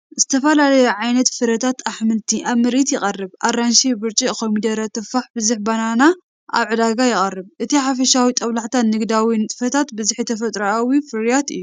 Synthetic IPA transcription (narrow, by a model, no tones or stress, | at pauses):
zɨt̪ʰɐfɐlalɐjuʕajnɐt̪fɨɾɐt̪ʰat̪aħmɨlt̪ʰiʔaβmɨɾit̪jɪkʼɐrːɨbʔaɾanʃibɨɾt͡ʃʼikʰomid̪ɐɾɐt̪ʰɨfːaħbɨzɨħbanana | ʔa̰βʕɨd̪aɡajɪkʼɐrːɨbʔɨt̪ʰiħafɐʃawit̪ʼɐβlaħt̪ʰanːɨɡd̪awinɨt̪ʼfɐt̪ʰat̪bɨzɨħjt̪ʰɐfɐt̪ʼɾɐawifɨɾjat̪ɨ̰jːu